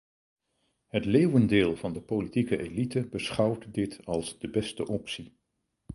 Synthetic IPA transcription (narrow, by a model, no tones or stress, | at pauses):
ɦətleːwəndɪːlˠv̥ɑndəpolitikəʔelitəbəsχʌwtdɪtɑlˠzdəbɛstə̰ʔɔpsi